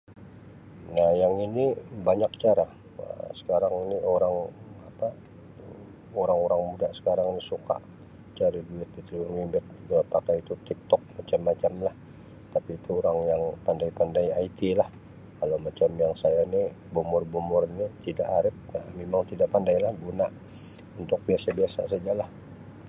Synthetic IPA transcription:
nahjaŋinibaɲak̚t͡ʃaɾa | ə̰sə̥kaɾaŋinioɾaŋapa | oɾaŋoɾaŋmudaʔsə̥kaɾaŋinisuka̰ʔ | t͡ʃaɾiduɪt̪̚dit̪lurimbɪt̪̚əpakajit̪ut̪ik̚t̪ɔk̚mat͡ʃamːat͡ʃamlah | t̪apiːt̪uoɾaŋjaŋpandaipandajait̪ilah | kalowmat͡ʃamjaŋsajaini | bomʊrbomʊrinit̪ida̰ʔaɾɪp̚amemaŋt̪idaʔpandajlahɡunaʔ | unt̪ʊk̚biasabiasa̰s̬ad͡ʒalah

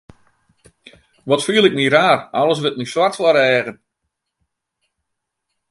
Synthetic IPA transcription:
ʋɔtfiːlˠɪk̚miɾaːralˠəs̬ʋɪt̚miswatslaɾɛːɣən

